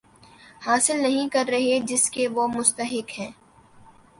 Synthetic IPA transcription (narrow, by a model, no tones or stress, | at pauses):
haːsɪlnɐɦĩkɐɾːɐɦed͡ʒɪskeʋomʊst̪əɦɪkɦɛ̃ː